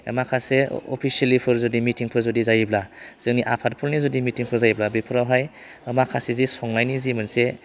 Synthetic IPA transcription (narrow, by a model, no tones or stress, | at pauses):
ḛmakʰaseɔ̰pʰisialipʰɯɾzɔdimitiŋpʰɯɾzɔdizajiblaz̥ɯŋniʔapʰat̚pʰɯlnizɔdimitiŋpʰɯɾzajiblabipʰɯɾawɦaj | əmakʰasezisɔŋnajnizimanse